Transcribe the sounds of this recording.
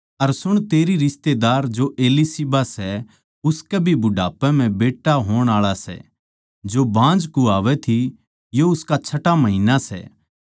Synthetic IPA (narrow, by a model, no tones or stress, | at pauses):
ɐɾsʊɽ̃t̪eːɾiɾɪst̪ed̪aːɾd͡ʒoʔeːlisibasɛ | ʊskɛbʱibʱʊɖʱaːpɛm̤ɛ̃beːʈːaɦoːɽ̃aːɭasɛ̰ | d͡ʒobãːd͡ʒkuaːʋɛt̪ʰi | joʊskat͡ʃʰɐʈamɐɦinasɛ̰